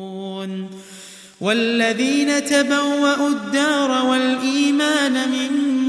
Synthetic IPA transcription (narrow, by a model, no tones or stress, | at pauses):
n | wʔalːaðiːnat̪abawːaʔud̪ːɑːɾˤɑwalʔiːmaːnamɪn